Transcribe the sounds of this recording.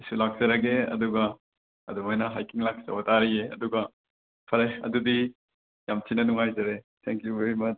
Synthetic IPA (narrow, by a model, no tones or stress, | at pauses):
jsulak̚z̥ɐɾɐɡeɐ̰duɡɐ | ɐ̰dumajnɐɦajkiŋlak̚sɐ̰wɐtaɾijeɐ̰duɡɐ | pʰɐɾeɐ̰dudi | jamtinɐnuŋajzɐɾetʰeŋkjuveɾimɐt͡ʃ